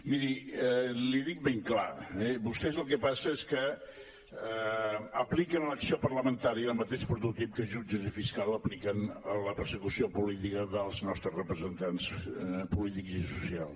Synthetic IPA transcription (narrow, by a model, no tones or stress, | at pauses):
miɾi | liðik̚beŋklaɛbust̪ɛzəlˠkɛpasəeskə | əplikənləksiopərləmənt̪aɾiəəlˠmət̪eʃpɾut̪ut̪ip̚kəʒud͡ʒəzifiskaləplikənələpəɾsəkusiopulit̪ikəðəlˠznɔst̪ɾəzrəpɾəzənt̪anspulit̪ikzisusia̰lˠs